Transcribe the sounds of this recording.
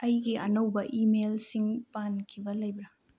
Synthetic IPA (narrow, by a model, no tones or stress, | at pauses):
ɐjɡiʔɐ̰nɐwbɐʔimelsiŋpankʰibɐlɐjbɾɐ